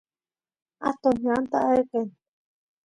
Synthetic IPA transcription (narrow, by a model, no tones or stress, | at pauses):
at̪onɦjant̪aʔaeken